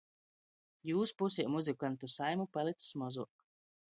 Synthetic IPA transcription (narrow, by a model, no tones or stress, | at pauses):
juːspusimuzikant̪usajmupalˠit̪ssmɔzuɔk